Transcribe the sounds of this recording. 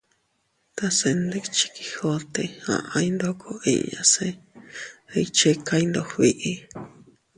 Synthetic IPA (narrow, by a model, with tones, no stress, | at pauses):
t̪a˧se˧nd̪e˦˧t͡ʃi̥˧ki̥˧ho˧t̪e˧ã̰˧ʔã˧i˦nd̪o˦kʰo˧ḭ˧ʔɲa̰˧se˦ | e˧it͡ʃe˦ka˧i˦nd̪o˧hβi˧ʔi˦